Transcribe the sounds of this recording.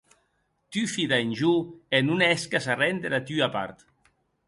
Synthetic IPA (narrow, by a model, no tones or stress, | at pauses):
t̪yfiðaenʲʒuenunɛskasarɛnd̪eɾat̪yapa̰ɾt̪